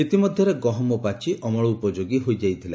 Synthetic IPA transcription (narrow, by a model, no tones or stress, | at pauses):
it̪imɔd̪ʱjɔɾeɡɔɦɔmɔpat͡ʃʰiʔɔmɔɭuupɔd͡ʒoɡiɦojd͡ʒajt̪ʰila